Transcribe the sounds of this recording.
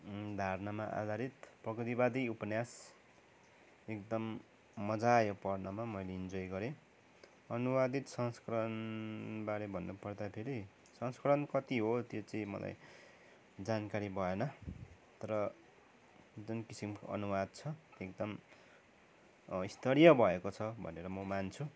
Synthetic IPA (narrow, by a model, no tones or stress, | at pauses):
d̪ʱarnamaʔa̰d̪ʱaɾit̪prʌkit̪ibad̪iupʌnjas | ek̚d̪ʌmː | ʌd͡zajopʌrnʌmamʌjleind͡zʌjɡʌɾe | ʌnuwad̪it̪sʌŋskʌɾʌnbaɾebʱʌnːupʌrd̪apʰeɾi | sʌnskʌɾʌnkʌt̪iɦot̪jot͡sʌĩmʌ̰lʔa̰j | d͡zankaɾibʱʌenʌ | t̪ʌɾʌ | d͡zonkisimko̰ʌ̰nuwad̪̚t͡sʰʌekd̪ʌm | ist̪ʰʌɾijʌbʱʌekot͡sʰʌbʱʌ̰neɾʌmʌmant͡sʰu